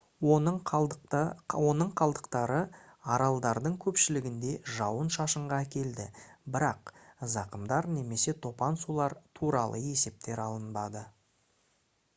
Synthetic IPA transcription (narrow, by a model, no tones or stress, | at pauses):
nɴ | wo̞nəɴqʰɑlˠd̪əqt̪ɑɾəɑɾɑlˠd̪ɑɾd̪əɴkʲʰɵpʃɪlɪɡʲɪnd̪e̞ʒɑwənʃɑʃəɴʁɑækʲe̞ld̪ɪbɪɾɑqzɑqəmd̪ɑɾne̞me̞se̞t̪ʰo̞pɑnsulˠɑɾt̪ʰuɾɑlˠə̰e̞se̞p̚t̪e̞ɾɑlˠənb̪ɑd̪ə